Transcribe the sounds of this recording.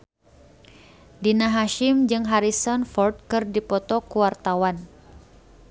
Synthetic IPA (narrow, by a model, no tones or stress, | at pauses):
dinaɦaʃɪmd͡ʒɨŋɦaɾisɔnfɔrt̪̚kɨrdipɔt̪ɔkuwart̪awan